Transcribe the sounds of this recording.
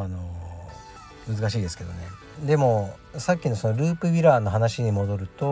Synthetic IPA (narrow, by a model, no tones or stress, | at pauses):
ano̞ | mɯ̟zɨkaɕiːd̪esɨ̥ke̞d̪o̞̰ne̞ | d̪e̞mo̞ | sakʲːino̞so̞noɾɯːpɯ̟bʲiɾaːno̞ɦanaɕiɲ̟imo̞d̪o̞ɾɯ̟t̪o̞